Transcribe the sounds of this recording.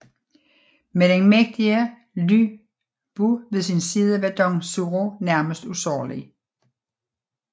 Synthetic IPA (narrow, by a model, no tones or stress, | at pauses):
med̥enmeɡ̥̚d̥iə | ly̰ | b̥uʋe̝sinsiːð̞ˠəʋæd̥ɒŋsuʁonæɐməsd̥usɒ̰ːlḭ